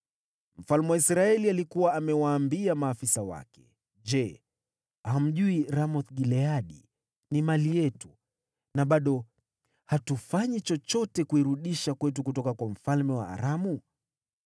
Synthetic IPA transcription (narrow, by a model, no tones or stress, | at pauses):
m̩falmɛwaisɾaɛlialikuwaːmɛwaːmbiamaːfisawa̰kɛ̥̰ | ʄɛ | aham̩ʄuiɾamɔθɡilɛaɗi | nimalijɛtu | naɓaɗɔ | hatufaɲit͡ʃɔt͡ʃɔtɛkuiɾuɗiʃakwɛtukutɔkakwam̩falmɛwa̰a̰ɾamu